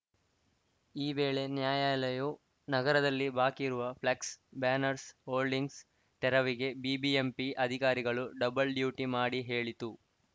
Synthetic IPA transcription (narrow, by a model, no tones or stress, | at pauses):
iːbe̞ːɭe̞njaːjaːlɐju | nɐɡɐɾɐd̪ɐlːibaːkiɾuʋɐpʰlɐksbaːnɐɾshoːlɖiŋɡs | t̪ɛɾɐʋiɡe̞biːbiempiʔɐd̪ʱikaːɾiɡɐɭuɖɐbɐlɖjuːʈimaːɽiɦe̞ːɭit̪u